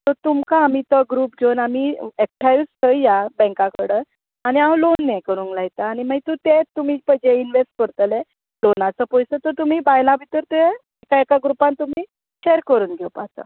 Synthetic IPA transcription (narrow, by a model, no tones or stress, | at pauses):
t̪ɔt̪umkaːmit̪ɔɡɾuːpd͡zonamiɛk̚ʈʰajʋst̪ʰəijabɛ̃ŋkãkʰəɽə | aɽ̃iãlonːekəɾuːnklajt̪aːñimait̪ut̪et̪ːum̤iːpəd͡ʑeinʋesʈ̚kəɾt̪əle | lonat͡səpɔjsət̪ət̪um̤iːbajlaʋʱit̪əɾt̪uje | ekaekaɡɾupant̪um̤iː | ɕeɾkəɾuːnɡʱewpat͡sə̰